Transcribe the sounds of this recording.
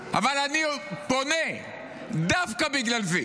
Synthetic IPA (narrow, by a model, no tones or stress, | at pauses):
avalanipone | d̪afkabiɡlalzi